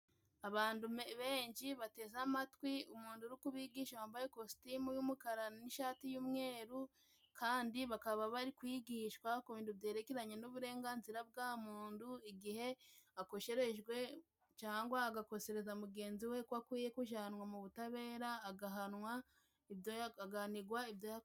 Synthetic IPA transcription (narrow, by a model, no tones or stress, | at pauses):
aβaːndumβeːɲʃiβate̞zamatwiumuːnduɾikuβiːɡiːʃawaːmbajekosi̥timujumukaɾaniʃaːtijuːmŋe̞ːɾu | kʰaːndiβakaβaβaɾikwiːɡiːʃkwakuβiːnduβje̞ːɾekiɾaɲe̞nuβuɾe̞ːŋɡaːnziɾab̚ɡaːmuːnduiɡihe̞ako̞ʃe̞ɾe̞ʒɡwe̞ | t͡ʃaːŋɡwaːɡako̞se̞ɾe̞zamuɡe̞ːnziwe̞kwakwiːje̞kuʒaanwamuβutaβe̞ːɾaːɡaɦanwa | iβjoaɡaniɡwaiβjoja